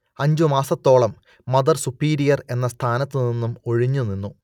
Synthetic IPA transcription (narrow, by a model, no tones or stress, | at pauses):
ɐɲd͡ʑumaːsɐt̪ːo̞ːɭɐmː | ɐd̪ɐrsupːiːɾijɐre̞nːɐst̪ʰaːnɐt̪ːɨninːumo̞ɻiɲːuninːu